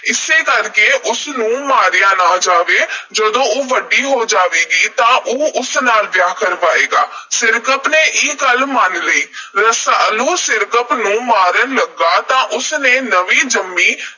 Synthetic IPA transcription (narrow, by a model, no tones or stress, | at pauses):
ɪseːkəɾkeːʔʊsnũːmaːɾɪjãːnaːd͡ʒaːʋeːd͡ʒəd̪õːoːʋəɖːiːɦoːd͡ʒaːʋeːɡiːt̪ãːʔoːʊsnaːlʋjaːkəɾʋaːeːɡaːsɪɾkəpneːʔiːɡəlmənləiːɾəsəluːsɪɾkəpnũːmaːɾənləɡːaːt̪ãːʔʊsneːnəʋiːd͡ʒəmːiː